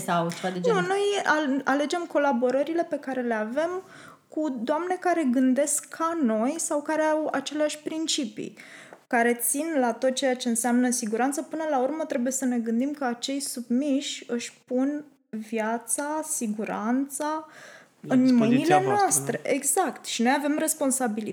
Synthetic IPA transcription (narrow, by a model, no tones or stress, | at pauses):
savad̪ed͡ʒnunojaale̞d͡ʒe̞mko̞labo̞ɾəɾile̞pe̞kaɾe̞le̞ave̞m | kud̪oamne̞kaɾe̞ɡɨnd̪e̞skʰːano̞jsawkaɾeawa̰t͡ʃe̞leaʃʲpɾint͡ʃipḭ | kaɾe̞t̪sinlat̪o̞t̪̚t͡ʃejat͡ʃe̞ɨnseamnəsiɡuɾant̪səpɨnəlaurmət̪ɾe̞buje̞səne̞ɡɨnd̪imkəat͡ʃe̞jsubmiʃɨʃʲpun | vjat̪sasiɡuɾant̪sa | ɨnmɨjnilenoast̪ɾe̞ʔeɡzakt̪ʃino̞jave̞mre̞spo̞nsabili